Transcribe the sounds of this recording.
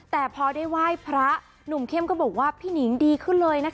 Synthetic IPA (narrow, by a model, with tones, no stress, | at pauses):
t̪ɛː˨˩pʰɔ˧daː˥˩jwaː˥˩jpʰɾa˦˥ | nu˨˩mkʰe˥˩mkɔː˥˩bɔː˨˩k̚waː˥˩pʰiː˥˩ni˩˦ŋdiː˧kʰɯ˥˩nlɤː˧jna˦˥